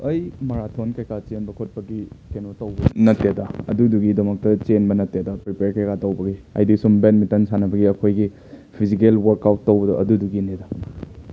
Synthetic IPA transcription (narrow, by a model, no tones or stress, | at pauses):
ɐjmɐɾatʰonkɐjkat͡ʃenbɐkʰot̚pɐɡikʰenotɐwbɐnɐtːedaɐ̰duduɡidɐmɐk̚tɐt͡ʃenbɐnɐtːedapɾipeɾkɐjkatɐwbɐɡiɐ̰jdisumbenmitɐnsanɐbɐɡiɐkʰojɡi | pʰizikelwɐɾkawtːɐwbɐdɐʔɐduduɡineda